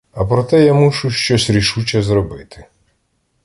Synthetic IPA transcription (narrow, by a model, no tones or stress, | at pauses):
ɐpɾɔt̪ɛjamuʃuʃt͡ʃɔsʲɾʲiʃut͡ʃɐzɾɔbɪt̪ʰɪ̥